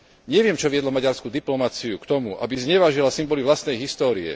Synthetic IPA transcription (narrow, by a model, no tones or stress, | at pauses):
ɲɛʋɪɛmt͡ʃɔʋɪɛd̪lɔmaɟaɾskuːd̪iplɔmat͡siukt̪ɔmuʔa̰bizɲɛʋaːʒilasimbɔlivʋlast̪nɛjɦist̪ɔːɾiɛ̰